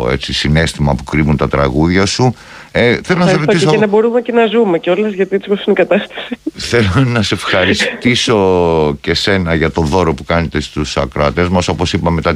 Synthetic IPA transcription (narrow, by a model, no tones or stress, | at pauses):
e̞̰t͡sisine̞st̪imɐpu̥kɾivunt̪ɐt̪ɾɐ̰ɣuðʝɐsu | eθelonɐsɾot̪isenɐbo̞ɾumecenɐzumeceo̞lɐzʝɐt̪iesiposinikɐt̪ɐst̪ɐ̥siθe̞lonɐseefxɐɾist̪iso̞ce̞se̞nɐʝɐt̪o̞ðo̞ɾo̞pukɐne̞t̪e̞st̪usɐkɾɐt̪e̞zmɐso̞po̞sipɐme̞t̪ɐ